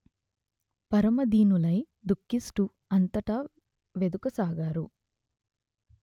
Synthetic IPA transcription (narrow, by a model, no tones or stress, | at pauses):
pɐɾɐmɐd̪iːnulɐj | d̪ukːisʈu | ɐnt̪ɐʈɐ | ʋed̪ukɐsaːɡaːɾu